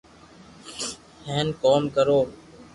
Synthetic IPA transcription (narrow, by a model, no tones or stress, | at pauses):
hẽːnkoːmkəɾoː